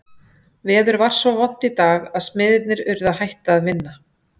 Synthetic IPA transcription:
vɛːðʏɾvaɾ̥svɔvɔn̥t̪it̪aːɣaðsmɪðɪt̪nɪɾʏɾðahajht̪aːðvɪnːa

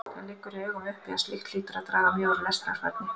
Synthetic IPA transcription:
alɪːkːʏɾiœːɣʏmʏhpiaslɪxt̪l̥iːt̪ʏɾaðt̪ɾaːɣamjoːwɾlɛst̪ɾa̰ɾva̰t̪̚nɪ

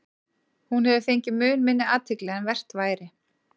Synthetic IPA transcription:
hunɦɛvɪθejɲcɪmʏːnmɪnːɪaːt̪ʰɪklɛɛnvɛr̥t̪vaːjɾɪ

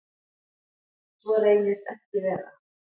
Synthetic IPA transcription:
svɔɾeːjnɪst̪ɛhcɪvɛːɾa̰

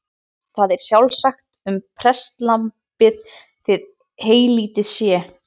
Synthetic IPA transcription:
θaðɛɾ̥sjawlsaxt̪ʏmpʰɾɛst̪lam | pɪð | t̪ʰɪð | heːjliːt̪ɪðsjɛː

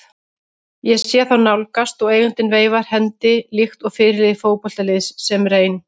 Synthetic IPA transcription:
jɛɣsjɛθawnawlkast̪ɔɣeːjɣʏnt̪ɪnveːjvaɾ̥hɛnt̪ɪlixt̪ɔɣfɪːɾɪlɪðɪfoːwpɔl̥t̪alɪðsːɛmreːjn

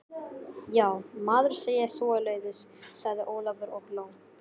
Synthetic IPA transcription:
jaːwmaːðʏɾ̥seːjɛsɔːʏleːɥðɪsːaɣðɪʔoːwlavʏɾɔploːw

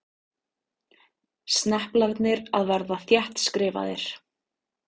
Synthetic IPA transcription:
st̪nɛhplaɾt̪nɪɾaðvaɾðaθjɛht̪skɾɪːva̰ðɪ̰ɾ̥

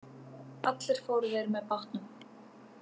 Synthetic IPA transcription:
at̪lɪɾ̥foːwɾʏvɛɾmɛðpawht̪nʏm

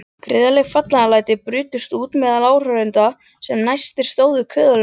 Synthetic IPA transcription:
kʰɾɪːðalɛɣfat̪lanalaːjt̪ɪpɾʏːt̪ʏst̪uːt̪mɛðalaːwr̥œɾɪnt̪a | sɛmnajst̪ɪɾ̥st̪oːwðʏkʰœːðʏl

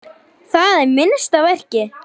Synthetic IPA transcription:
θaðɛɾmɪnst̪avɛr̥cɪ

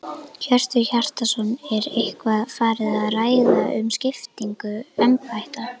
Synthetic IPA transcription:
çœr̥t̪ʏçar̥t̪asɔnːɛɾehkvaðfaːɾɪðaðraːjðaʔʏmscɪft̪iŋkʏɛmpajht̪a

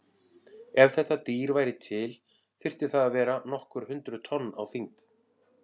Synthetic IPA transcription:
ɛv̥θɛht̪ːat̪iːɾvaːjɾɪt̪ʰɪl | fɪr̥t̪ɪ̥θaðavɛːɾanɔhkʏɾ̥hʏnt̪ɾʏt̪ʰɔnːa̰wθiŋt̪

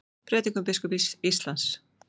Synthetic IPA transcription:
pʰɾɛːt̪iŋkʏmpɪskʏpisist̪lans

